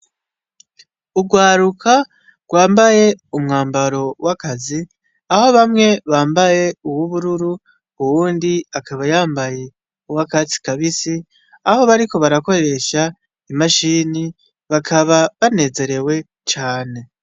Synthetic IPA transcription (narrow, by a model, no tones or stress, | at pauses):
uɡwaːɾukʰa | ɡ̥waːmbaje̞umŋaːmbaɾo̞wakazi | aho̞βamŋe̞βaːmbaje̞uwuβuɾuɾu | uwuːndiakʰaβajaːmbaje̞ | uwakat͡si̥kaβisi | aho̞βaɾiko̞βaɾako̞ɾɾe̞ʃa | imaʃini | βakʰaβaβane̞ːze̞ɾe̞we̞ | t͡ʃaːne̞